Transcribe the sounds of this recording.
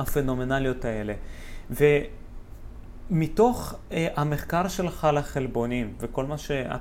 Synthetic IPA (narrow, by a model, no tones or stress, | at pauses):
afenomenalijot̪aeleve | mit̪o̞χʔameχkaʁʃelχalaχelbo̞nimveko̞lmaʃea̰